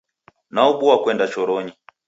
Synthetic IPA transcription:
nauɓuakwɛndat͡ʃɔɾɔɲi

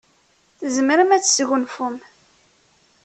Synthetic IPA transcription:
θəzməɾəmæt͡sːsɣʊnfʊm

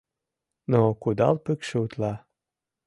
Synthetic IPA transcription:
nokud̪ɑlpykʃeut̪lɑ

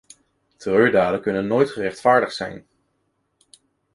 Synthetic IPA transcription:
tərøːɹdaːdəkɵnənːoːjtχərɛχtfaːɹdəχsɛ̰jn

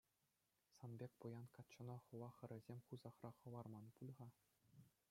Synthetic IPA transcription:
sɑnbʲekʲpujɑnkɑt̪t͡ɕːɤ̆nɑχɤ̆ʋɑχɘ̆ɾʲɘ̆zʲemʲχuzɑχrɑχɤ̆ʋɑrmɑnpulʲʁɑ

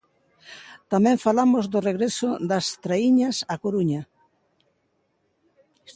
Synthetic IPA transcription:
t̪amɛ̃ɱfalamozðʊreɣɾesod̪ɐst̪ɾaiɲasakoɾuɲa

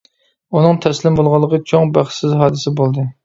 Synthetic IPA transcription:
unɨŋt̪ʰɛslɪmbolˠʁɑlˠːəqʰət͡ʃʰoŋbæχsɪzɦɑːd̪ɨsɪbolˠd̪ɨ

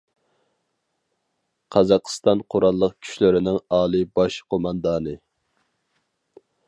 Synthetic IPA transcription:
qʰɑzɑqʰst̪ɑnqʰoɾɑlˠːəqkʲʰy̥ʃlɪɾɪnɪŋɑːlˠɨbɑʃqʰomɑnd̪ɑːnɨ

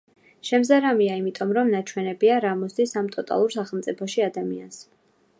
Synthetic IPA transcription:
ʃɛmzaɾamiaimit̪ʼɔmɾɔmnat͡ʃʰwɛnɛbiaɾamɔsd̪isamt̪ʼɔt̪ʼa̰lˠuɾsaχɛlˠt̪sʼipʰɔʃiad̪amḭa̰ns

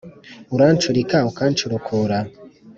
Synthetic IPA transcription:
uɾant͡ʃuɾikaukaːnt͡ʃuɾukʰoɾa

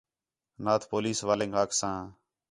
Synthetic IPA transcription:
naːt̪ʰpoːliːsʋaːlẽːŋɡɦaːksãː

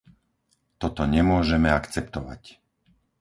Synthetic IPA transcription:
t̪ɔt̪ɔɲɛmʊɔʒɛmɛakt͡sɛpt̪ɔʋa̰c

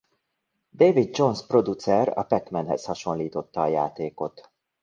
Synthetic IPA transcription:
d̪eːvid̪̚d͡ʒo̞nspro̞d̪ut̪sɛrɒ̰pɛt̪mɛnɦɛ̰shɒʃo̞nliːt̪o̞t̪ːɒːjaːt̪eːko̞t̪

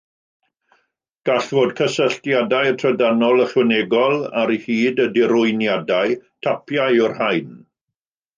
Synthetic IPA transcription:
ɡ̥aɬvoːdkʰəsəɬtjadajtʰrədanɔlˠəɬwɛnɛɡɔlˠa̰ɾihiːdədɪɾʊɨnjadajtʰapʰjajɔrhajn

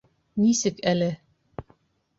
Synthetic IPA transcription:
nisɘkælɘ

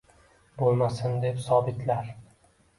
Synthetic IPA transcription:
bolˠmasɪnd̪e̞psɒbɪt̪ʰlaɾ

